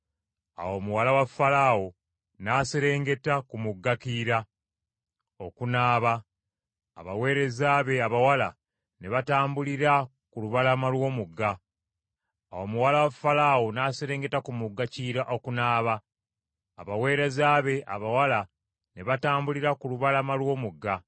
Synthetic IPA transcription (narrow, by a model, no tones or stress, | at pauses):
a̰wo̞ːmuwalawafalaːwo | naːseɾe̞ːŋɡe̞takumuɡːakiɾa | o̞kunaːβa̰ː | βawe̞ːɾe̞zaːβe̞aβawala | ne̞βataːmbuliɾa | kuluβalamalwo̞ːmuɡːa | awomuwalawafalaːwonaseɾe̞ːŋɡe̞takumuɡːaciɾaʔo̞kunaːβaː | βawe̞ːɾe̞zaːβe̞ʔa̰βawala | ne̞βataːmbuliɾakuluβalamalwo̞ːmuɡːa